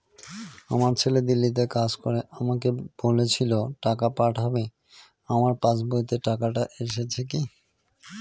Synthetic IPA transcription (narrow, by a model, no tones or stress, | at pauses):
a̰maɾt͡ɕʰeled̪ilːit̪̬ekad͡ʑkoɾeʔamakeb̥olet͡ɕʰiloʈakapaʈʰabe | amaɾpãt͡ɕboit̪eʈakaʈaʔeʃet͡ɕʰeki